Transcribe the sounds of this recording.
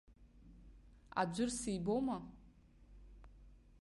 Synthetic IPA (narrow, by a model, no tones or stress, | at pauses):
a̰d͡ʒʷʊrsijbowma